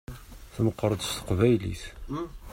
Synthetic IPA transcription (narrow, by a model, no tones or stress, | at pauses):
θməqːɾˤəd̪st̪ə̥qvæjlḭθ